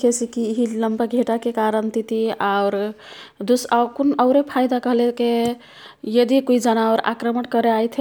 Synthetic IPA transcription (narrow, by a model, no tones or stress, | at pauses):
kʰesikiːɦiləmpaɡʱeʈakekaɾənt̪it̪iaʊɾd̪usakunəʊɾepʰajd̪akəɦleke | jəd̪ikoid͡ʒənaʊɾa̰kɾəməʈkəɾeajt̪ʰ